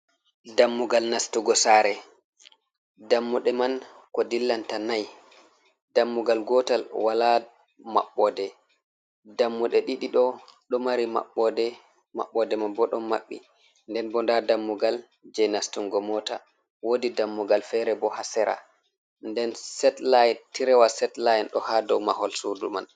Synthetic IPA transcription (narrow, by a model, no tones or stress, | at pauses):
damːuɡalnastuɡɔsaɾɛ | damːuɗɛman | kɔdilːantanaj | damːuɡalɡɔtalwala | ma̰ɓːɔdɛ | damːuɗɛɗiɗiɗɔɗɔmaɾima̰ɓːɔdɛ | ma̰ɓːɔdɛmanbɔɗɔma̰ɓːḭ | ndɛnbɔndadamːuɡal | d͡ʒɛnastuŋɡɔmɔta̰ | wodidamːuɡalfɛɾɛbɔhasɛɾa̰ | ndɛnsɛtlajntiɾɛwasɛtlajɛnɗɔhadɔwmahɔlsuduma̰n